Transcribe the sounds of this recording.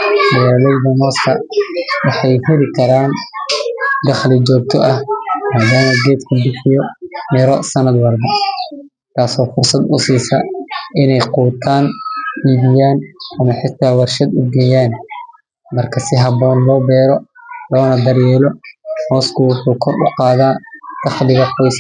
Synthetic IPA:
wjaːlɛjðɐmɔːskʰɐwɑħɑjhɪɾɪkʰɐɾaːn | d̪ɐχlɪd͡ʒɔːk̚t̪ʰɔʔɐhmaːd̪aːmɐɡɛːt̪kʰɐbɪħɪjɔmɪɾɔsɐnɐd̪wɐlbɐ | t̪ʰaːsɔːfʊrsɐd̪ʊsiːsɐʔɪnɛjquːt̪ʰaːniːβɪjaːnʔɐmɐħɪt̪ʰːaːwɑrʃɐd̪ʊɡɛjaːn | mɐrkʰɐsɪɦɐbɔːnlɔːbɛːɾɔlɔːnɐd̪ɐrjɛːlɔhɔːskʰʊwʊħuːkʰɔrʊqɑːðaːd̪̥ɑχlɪɣɐqɔjs

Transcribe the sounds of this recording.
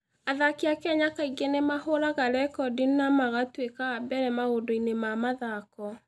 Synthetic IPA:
aðakeakɛɲakaiɡenemahoɾaɣaɾɛkɔdinnamaɣatwekaabɛɾɛmaɣodoinemamaðakɔ

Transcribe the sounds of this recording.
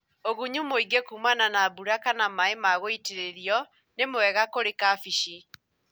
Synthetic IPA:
oɣuɲumoiɡekumananaːbuɾakanamaemaɣoiteɾeɾiɔ | nemwɛɣakoɾekafiʃi

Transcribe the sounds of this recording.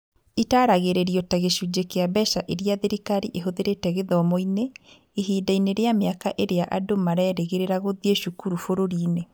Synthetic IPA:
itaːɾaɣeɾeɾiɔtaɣeʃud͡ʑekeabɛʃaʔeɾiaðeɾikaɾiʔeɦoðeɾetɛɣeðɔmoine | iɦiːdaineɾeameakaʔeɾeaʔadomaɾɛːɾeɣeɾeɾaɣoðieʃukuɾufoɾoɾiːne

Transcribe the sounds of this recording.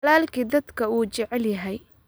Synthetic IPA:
laːlkʰiːd̪ɐd̪kʰɐuːt͡ʃɛʕɛljɐɦɛj

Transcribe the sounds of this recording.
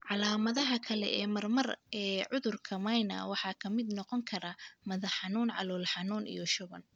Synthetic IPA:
ʕɑlaːmɐðɐɦɐkʰɐlɛ̰ʔɛːmɐrmɐrɛːʕʊðʊrkʰɐmɐjnɐ̰wɑħɑːkʰɐmɪd̪nɔqɔŋkʰɐɾɐmɐðɐħɑnuːnʕɑ̰lɔːlħɑnuːnḭjɔʃʊβɐn

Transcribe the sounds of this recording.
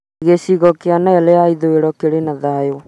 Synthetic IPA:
ɣesiɣɔkeanaalɛaiðoeɾɔkeɾenaðajo

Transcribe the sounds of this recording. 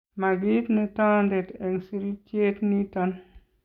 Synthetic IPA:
maɡitnɛtaːndɛtɛŋsiɾit͡ʃetnitan

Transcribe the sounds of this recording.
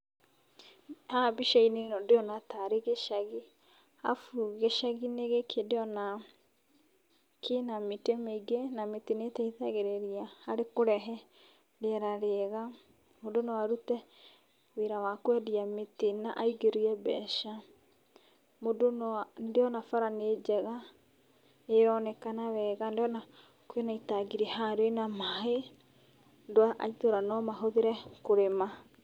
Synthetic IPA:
habiʃainenɔdeɔnataɾeɣeʃaɣi | a̰fuɣeʃaɣineɣekʰedeɔna | kʰenametemeiɡenametinetɛiθaɣeɾeɾiahaɾekoɾɛɦɛ | deɛɾaɾeɣa | modonawaɾutɛ | weɾawakwɛdiamitinaʔaiɡeɾiɛbɛʃa | modonndeɔnafaɾaned͡ʑɛɣa | eɾɔnɛkanawɛːɣandejɔna | kwenaitaɡiɾɛhaɾwenamaɦe | ndwaʔa̰itoɾanɔmaɦoðeɾɛkoɾema

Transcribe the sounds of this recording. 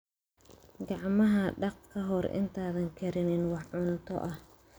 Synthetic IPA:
ɡɑʕmɐɦɐɖɑqkʰɐɦɔɾɪ̰nt̪ʰaːðɐŋkʰɐɾɪnɪnwɑħʕʊnt̪ʰɔ̰ʔɐh

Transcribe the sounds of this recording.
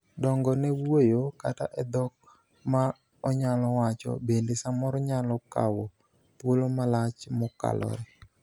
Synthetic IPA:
dɔŋɡɔnɛwojoka̰ta̰ʔɛd̪ɔk̚ | ma | ɔɲalɔwat͡ʃɔ̰bendesamɔɾɔɲalɔka̰wo | tolomalat͡ʃmɔka̰lɔ̰ɾe

